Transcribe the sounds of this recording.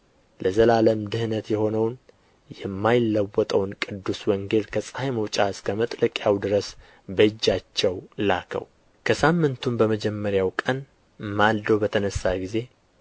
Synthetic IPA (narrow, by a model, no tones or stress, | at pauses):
lʔəzəlaləmd̪ɨhnət̪jɛho̞nəwn | jɛmːajɪlːəwːɔt̪ʼəwnkʼɨd̪ːuswɔŋɡe̞lkʰəsʼaməwt͡ʃʼaɨskʰəmət̪ʼləkʼjawd̪ɨɾəs | bəɨd͡ʒːat͡ʃːɛwlakʰə̰w | kʰəsamːɨnt̪ʰumbəməd͡ʒɛmːəɾjawkʼən | mald̪əwbət̪ʰənəsːaɡize̞